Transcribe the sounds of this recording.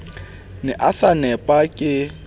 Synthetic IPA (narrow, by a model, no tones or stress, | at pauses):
nɛʔasanɛpʼakʼɪ